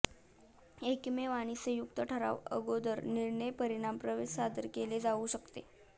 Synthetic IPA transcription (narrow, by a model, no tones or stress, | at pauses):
ekmeʋaɽ̃isejukt̪əʈʰəɾa̰ʋə̰ɡod̪əɾniɾɳəjpəɾiɽ̃ampɾəʋessad̪əɾkeled͡zauɕəkt̪ḛ